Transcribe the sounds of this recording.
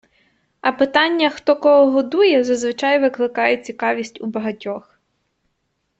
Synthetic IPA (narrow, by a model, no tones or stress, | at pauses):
ɐpɪt̪ɑnʲːɐxt̪ɔkɔɦɔɦɔd̪ujɛzɐzʋɪt͡ʃɑjʋɪklˠɪkɑjʊt͡sʲikɑʋʲisʲtʲubɐɦɐtʲɔx